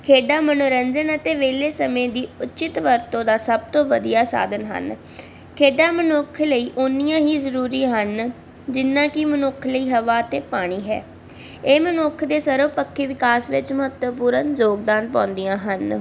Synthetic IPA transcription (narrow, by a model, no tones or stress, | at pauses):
kʰeːɖaːmənoːɾəɲd͡ʒənət̪eːʋeːleːsəmẽːd̪iːʊt͡ʃɪt̪ʋəɾt̪õːd̪aːsəb̚t̪õːʋəd̪ijaːsa̰ːd̪ənɦə̰n | kʰeːɖaːmənʊkʰləiːʔoːnijãːɦiːzəɾuːɾiɦən | d͡ʒɪnːãːkɪmənʊkʰləiːɦəʋaːət̪eːpaːɽ̃iːɦɛ̰ː | eːmənʊkʰd̪eːsəɾoːpəkʰːeːʋɪkaːsʋɪt͡ʃməɦət̪ʋəpuːɾənzoːɡd̪aːnpãːnd̪ijãːɦən